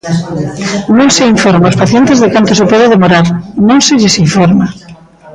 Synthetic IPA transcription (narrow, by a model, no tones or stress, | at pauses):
nõŋseiɱfɔɾmaospaθjent̪ɪzðekant̪osepɔðɪðemoɾaɾnõŋsɪʎɪsiɱfɔɾma